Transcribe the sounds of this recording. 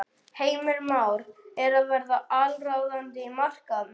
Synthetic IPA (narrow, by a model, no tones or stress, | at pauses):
heːjmʏɾmaːwɾɛɾaðvɛɾðaʔalrawðant̪ɪimar̥kan